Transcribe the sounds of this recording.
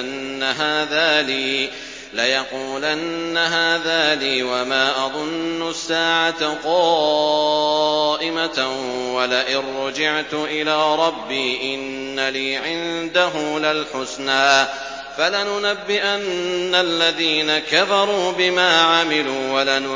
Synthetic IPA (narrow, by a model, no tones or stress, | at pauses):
nːaɦaːðaːliː | lajɑquːlanːaɦaːðaːliːwamaːʔɑðˤʊnːʊsːaːʕat̪qɑː | ʔɪmawalaʔɪrːʊd͡ʒɪʕt̪ʊʔɪlaːɾˤɑbːiːʔɪnːaliːʕɪnd̪aɦʊmlalħʊsnaː | falanʊnabːɪʔanːalːaðiːnakafɑɾˤuːbɪmaːʕamɪluːwala